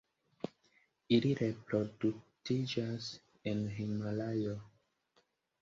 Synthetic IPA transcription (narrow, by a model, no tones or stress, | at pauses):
iliɾepɾodutid͡ʒas | enɦimalajo